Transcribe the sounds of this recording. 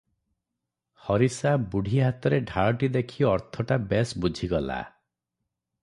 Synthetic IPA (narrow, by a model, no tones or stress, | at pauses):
hɔɾisabuɽ̤ʱiɦat̪ɔɾeɖʱaɭɔʈid̪ekʰiɔɾt̪ʰɔʈabesbud͡ʒʱiɡɔla̰